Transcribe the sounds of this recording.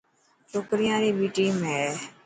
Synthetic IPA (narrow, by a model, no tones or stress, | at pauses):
t͡ʃoːkɾɪjãːɾiːbiːʈiːmẽː